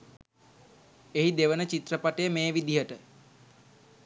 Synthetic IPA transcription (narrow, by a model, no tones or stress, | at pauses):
eɦid̪eʋənət͡ʃit̪rəpaʈejəmeːʋid̪iɦəʈə